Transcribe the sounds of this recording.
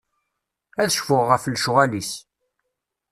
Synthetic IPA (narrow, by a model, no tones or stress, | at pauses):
æðəʃfʊʁːəflʃʊʁælis